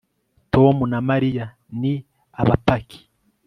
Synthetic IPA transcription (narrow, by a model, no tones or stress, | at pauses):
tomunamaɾija | ni | aβapakʰi̥